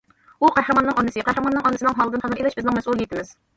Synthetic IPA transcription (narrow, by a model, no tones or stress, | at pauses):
uqʰæhɾɨmɑnːɨŋɑnːɨsɨqʰæhɾmɑnːɨŋɑnɨsɨnɨŋɦɑlˠɨd̪ɨnχælɨɾelɪʃbɪznɪŋmɛsulˠjit̪ʰɪmɪz̥